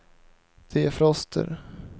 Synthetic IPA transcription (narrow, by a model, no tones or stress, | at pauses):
d̪̥ɛæfɾɔst̪ʰə̰ɾ